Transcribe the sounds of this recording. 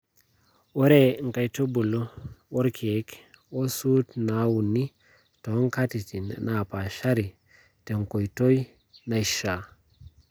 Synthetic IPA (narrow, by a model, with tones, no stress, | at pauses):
wo˦ɾe˦˨ŋ̩˨ka˨jto˦bu˨lo˦wo˦ɾkʰe˨˦kwo˦su˦tna˦wu˨nːi˦ | to˨˦ŋ˦ka˦ti˨ti˨n̰˨na˨pa˨ʃa˦ɾi˨ | te˨ŋko˨jto˦j | na˨jʃa˨